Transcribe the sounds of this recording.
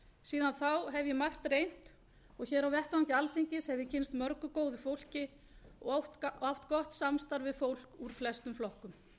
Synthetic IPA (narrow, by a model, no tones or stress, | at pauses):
siːðanθawɦɛvjɛmar̥t̪rejn̥t̪ | ɔɣçɛːɾawvɛht̪vaŋcɪalθiɲcɪshɛvjɪcʰɪnst̪mœɾkʏkoːwðʏfowl̥cɪ | ɔɔft̪kɔht̪samst̪aɾvɪðfowl̥kuɾ̥flɛst̪ʏmflɔhkʏm